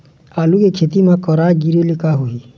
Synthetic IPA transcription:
aːlukekʰeːt̪imãkɔɾaːɡiɾilɪkaɦoiː

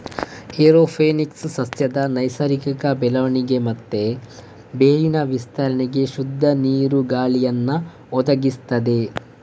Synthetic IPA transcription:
eɾoːpʰeːnikssɐsjɐd̪ɐnɐjsɐɾikɐkɐbɛlɐʋɐɳiɡe̞mɐt̪ːe̞ | beːjinɐʋist̪ɐɾɐɳeɡe̞ʃud̪ʱːɐniːɾuɡaːɭijɐnːɐ | ɔd̪ɐɡist̪ɐd̪e̞

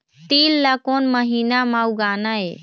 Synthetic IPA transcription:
t̪ilːakonməɦinamauɡaːnae

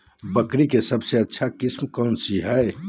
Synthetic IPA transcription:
bəkɾikesəbseətːʃʰakismkɔnsiɦəj

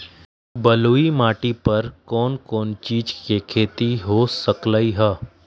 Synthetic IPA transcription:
bɐluːimaːʈipɐɾkɔːnkɔːnt͡ʃiːd͡ʒkekʰeːt̪iɦosəkləiɦɛː

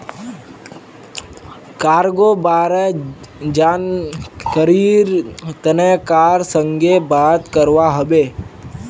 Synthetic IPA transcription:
kaːɾɡobaːɾɛd͡ʒaːnkəɾiɾt̪ənɛkaːɾsəŋɡebaːt̪kəɾʋaɦəbeː

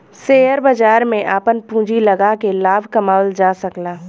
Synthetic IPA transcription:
seːəɾbɐd͡ʒaːɾmẽʔaːpənpũːd͡ʒilɐɡakelaːbʱkɐmaːld͡ʒaːsɐklaː

